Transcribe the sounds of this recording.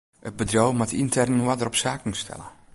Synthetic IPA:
əbədrowmatʰintʰɛrnwadəɾɔpsaːk̩stʰɛ̰lˠə̰

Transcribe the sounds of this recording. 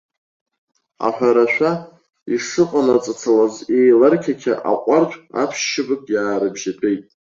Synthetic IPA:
a̰ħʷᶣaɾaʃʷᶣa | iʂɨqʼanat͡sʼat͡sʰalazejlarkʲʰakʲʰa̰ʔa̰qʷʼart͡ʃʷʼa̰pʰʃːɪbɨkʼjaːɾɨbʒapʼejtʼ

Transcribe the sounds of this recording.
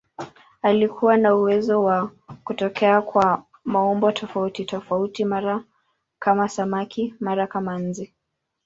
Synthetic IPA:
alikʰuwanauwɛzɔwakutɔkɛakwa | maɔmbɔtʰɔfautitɔfautimaɾa | kamasamakʰimaɾakaman̩d͡ʒi

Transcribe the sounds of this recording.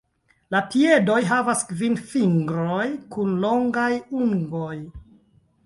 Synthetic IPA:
lapie̞do̞jɦavaskvinfiŋɡɾojkunlo̞ŋɡajuŋɡo̞j

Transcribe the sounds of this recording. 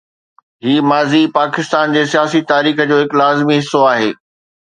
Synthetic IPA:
ɦiːmaːzipaːkɪst̪aːnd͡ʑeːsijaːsit̪aːɾiːxə̆d͡ʑoːɦɪklaːzmiɦɪsːoaːɦeː

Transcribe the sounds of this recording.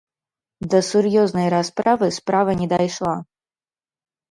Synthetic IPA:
d̪ɐsurjɔznɐjɾaspɾavɨspɾavɐnʲɛd̪ajʂlˠa

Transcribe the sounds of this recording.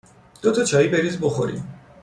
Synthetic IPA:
d̪̥ot̪ʰɒt͡ʃʰɒːiːbeɾiːzboxo̰ɾḭm

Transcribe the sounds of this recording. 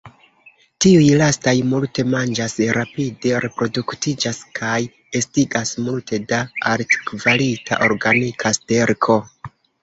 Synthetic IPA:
tiujlastajmulte̞mand͡ʒasɾapide̞ɾe̞pɾo̞duktid͡ʒaskʰaj | e̞stiɡasmultʰe̞daaɾti̥kvalitʰa̰ʔo̞ɾɡanikʰaste̞ɾkʰo̞

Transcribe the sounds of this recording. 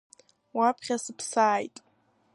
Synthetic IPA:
wapʰχʲasɨpʰsaːjtʼ

